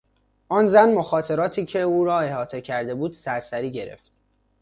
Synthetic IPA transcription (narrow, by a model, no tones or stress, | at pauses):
ʔɒːnzænmoxɒːt̪ʰe̞ɾɒːt̪ʰiːcʰe̞uːɾɒːe̞hɒːt̪ʰe̞cʰæɾd̪e̞buːd̪̥sæɾsæɾiːɟe̞ɾḛft̪̚